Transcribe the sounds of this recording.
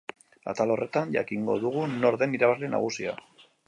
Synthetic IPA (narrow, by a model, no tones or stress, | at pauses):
a̰t̪alo̞rʔe̞t̪anʎa̰kiŋɡo̞ðuɣ̞uno̞ɾðe̞niɾaβazlena̰ɣ̞usia̰